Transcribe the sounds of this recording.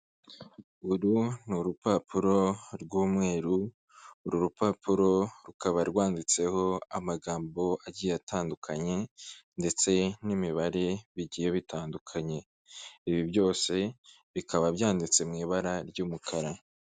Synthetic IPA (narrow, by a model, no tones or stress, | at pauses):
ɡuɾunuɾupapʰuɾo̞ɾɡuːmŋe̞ːɾuː | ɾuɾupapuɾo̞ɾukaβaɾɡwaːndit͡se̞ho̞amaɡaːmbo̞aɟiːjeatʰaːndukʰaɲe̞nde̞t͡se̞nimiβaɾe̞βiɟiːjeβitaːndukʰaɲe̞ | iβibjo̞ːse̞ | βikʰaβabjaːndit͡se̞mŋiːβaɾaɾɟuːmukʰaɾa